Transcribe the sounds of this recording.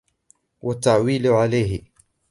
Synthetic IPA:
wat̪ːaʕwiːlʕalajɦɪ

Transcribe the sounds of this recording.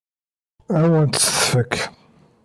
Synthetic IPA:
æwænt̪ə̥θfəkʰː

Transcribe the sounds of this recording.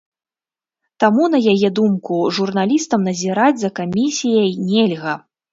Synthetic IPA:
t̪amunɐjajɛd̪umkuʐurnalʲist̪ɐmnɐzʲiɾad͡zʲzɐkamʲisʲijɐjnʲɛlʲɣɐ

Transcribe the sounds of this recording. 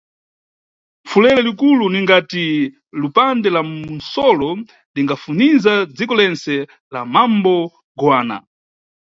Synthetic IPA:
fulɛlɛlikuluniŋɡati | lupandɛlaunsɔlɔ | liŋɡafunizad͡zikɔlɛnt͡sɛ | lamambɔ | ɡwaːna̰

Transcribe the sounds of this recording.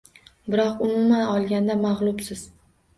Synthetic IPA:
bɪɾɒqʊmʊmanɒlˠɡʲand̪amɑʁlˠʊbsɪz̥

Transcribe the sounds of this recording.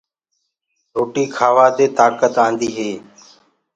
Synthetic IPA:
ɾoːʈiːkʰaːʋaːt̪eːt̪aːkət̪ãːnd̪iːɦeː

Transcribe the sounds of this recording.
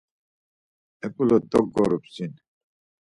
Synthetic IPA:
ɛpʰʼulɔd̪ɔɡːɔɾupsin

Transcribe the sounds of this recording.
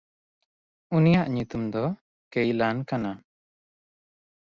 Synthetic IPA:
unijaʔɲut̪umd̪ɔ | kɛjlankana

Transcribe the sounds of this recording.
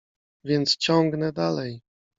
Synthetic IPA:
vʲjɛnt̪st͡ɕɔŋɡnɛd̪alɛj

